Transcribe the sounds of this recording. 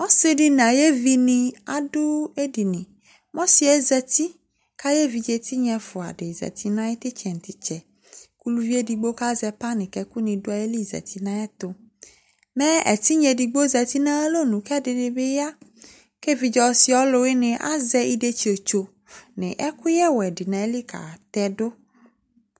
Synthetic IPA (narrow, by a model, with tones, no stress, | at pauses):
mɔ˦sɪ˦ɖi˦nã˨je˦vi˨nĩ˨a˨dʊ˦e˦di˨nĩ˨ | mɔ̃˦si˨ɛ˦zɛ˨t̪i˦ | ka˦je˦vi˨d͡ʒe˦t̪ʰi˦ɲɛ̃˨fʊ˨a̰˨ɖɪ˨zɛ̰˨t̪ʰi˦nã˦je˦t̪ɪ˦t͡ʃɛ˨n̩˨t̪i˨t͡ʃɛ˨ | ku˦lu˦vi˦e˦di˨ɡ͡bo˦ka˦zɛ˨pa˦nɪ̃˨kɛ˨ku˦nĩ˨do˦a˨je˦li˦zɛ̰˨t̪ʰi˦nã˦ɛ˦t̪o˦ | mɛ˦ɛ̰˨t̪i˦ɲɛ̃˨di˨ɡ͡bo˦zɛ˨t̪i˦nã˦lo˦nũ˨kɛ˦dɪ˨nɪ̃˨bɪ˦ja˦ | ke˦vi˨d͡ʒɔ˨˦si˨ɔ˦lo˨we˦nɪ̃˨ʔa̰˦zɛ˦i˦de˦t͡ʃi˨o˨t͡ʃo˨ | nɪ̃˨ʔɛ˦ku˦jɛ˦wɛ˨dɪ˨nã˨e˦li˦ka̰˨t̪ɛ˦do˦